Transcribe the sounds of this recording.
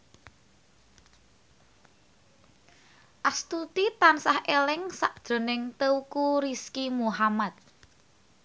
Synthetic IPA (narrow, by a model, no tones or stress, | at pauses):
ʔast̪ut̪it̪ansahʔelɪŋsaʔd̥ʒ̥o̤nɪŋt̪əukuɾiskimuɦamat̪̚